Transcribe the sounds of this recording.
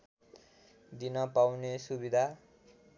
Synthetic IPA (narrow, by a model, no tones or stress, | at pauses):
d̪inʌpawnesubid̪ʱa